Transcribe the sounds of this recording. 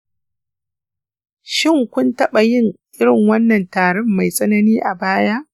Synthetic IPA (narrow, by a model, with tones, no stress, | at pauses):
ʃɪ˦˨ŋkʷʊ˦ntɐ˦ɓa˨jɪ˦ŋʔɪ˦ɽɪ˨ŋwɐ˦nːɐ˨ntaː˨ɽɛ˦mːa˨jsʼɐ˦nɐ˦niː˦ʔa˨baː˦jaː˦ʔ